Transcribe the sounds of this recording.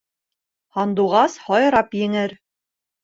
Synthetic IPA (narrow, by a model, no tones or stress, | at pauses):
hɒnd̪uʁɑshɒjɾɑpjɘ̆ŋɘɾ